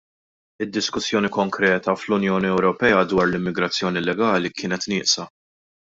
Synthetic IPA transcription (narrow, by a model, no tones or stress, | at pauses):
ɪd̪ːɪskʊsjɔːnikɔŋkɾɛːt̪ɐflʊnjɔːniɛwɾɔpɛːɐd̪wɐːɾlɪmːɪɡɾɐt͡sːjɔːnilɛɡɐːlikɪːnɛt̪nɪːʔsɐ